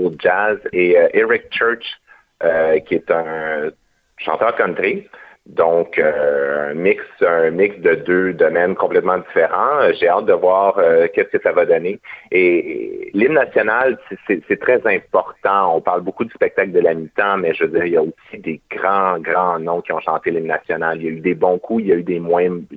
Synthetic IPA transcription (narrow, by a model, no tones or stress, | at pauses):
od͡ʒazeøʔeʁɪk̚t͡ʃɜ˞t͡ʃ | økʲiet̪ə̃ | ʃɑ̰̃t̪œːʁkɔ̃nt̪ʁi | d̪ɔ̃køə̰̃mɪksɛ̃mɪksd̪əd̪ød̪ɔmɛnkɔ̃plɛt̪mɑ̃d̪zifeʁɑ̃ʒeɑːt̪̚d̪əvwaːʁøkʲɛskəsavad̪ɔnee | lɪmnasjɔnalsɛsɛsɛt̪χɛzɛ̃pɔʁt̪ɑ̃ɔ̃paʁlbokud̪y̥spɛk̚t̪akld̪əlamit̪ɑ̃mɛʒəvəd͡ziːʁijaosid̪eɡ̥ʁɑ̃ɡʁɑ̃nɔ̃kʲiɔ̃ʃɑ̃t̪elɪmnasjɔnalijayd̪ebɔ̃kʰuijayd̪emwɛ̃